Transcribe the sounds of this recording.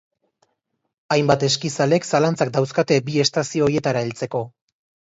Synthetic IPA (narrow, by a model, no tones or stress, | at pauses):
ajmbat̪e̞skisale̞ksalant͡sakd̪awskat̪e̞bie̞st̪asio̞ːɾie̞t̪aɾaelt͡se̞ko̞